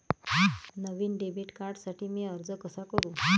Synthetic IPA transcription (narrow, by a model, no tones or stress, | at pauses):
nəʋiːnɖebiʈkaɾɽsaʈʰiːmiːəɾd͡zəkəsakəɾũː